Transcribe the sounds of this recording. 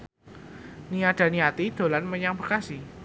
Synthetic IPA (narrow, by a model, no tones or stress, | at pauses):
niaɖ̥a̤niat̪id̪̥o̤lanməɲaŋbərkasi